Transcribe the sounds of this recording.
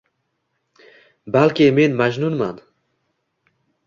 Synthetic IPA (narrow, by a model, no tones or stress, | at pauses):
balkeːmeːnmaʒnunma̰nd̪